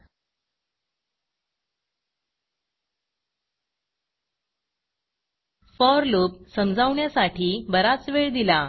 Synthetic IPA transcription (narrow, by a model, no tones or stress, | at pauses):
fɔɾluːpsəmd͡zʱaʋɳjasaʈʰiːbəɾat͡sʋeɭd̪ila